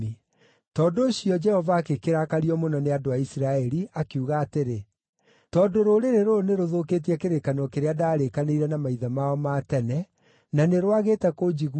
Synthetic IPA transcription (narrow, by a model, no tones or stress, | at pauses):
i | tɔːndoːɕiɔd͡ʒɛhɔvaːkekeɾakaɾiɔmonɔneadoaisɾaɛɾiakiuɣaːteɾe | tɔːdoɾoɾeɾeɾoneɾoðoket̬iɛkeɾekanɔkeɾeadaːɾekaneiɾɛnamaiðamaɔmaːtɛnɛ | naneɾwaɣeːtɛkod͡ʑiɣ